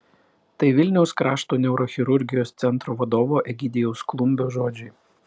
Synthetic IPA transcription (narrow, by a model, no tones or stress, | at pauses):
t̪ɐɪʋʲɪlʲnʲɛʊskɾɑːʃt̪oːnʲɛʊɾoːxʲɪɾʊɾʲɡʲɪjoːst̪sʲɛnt̪ɾoːʋɐd̪oːʋoːʔɛɡʲɪd̪ʲɪjɛʊsklˠʊmʲbʲoːʒoːd͡ʒʲʊɪ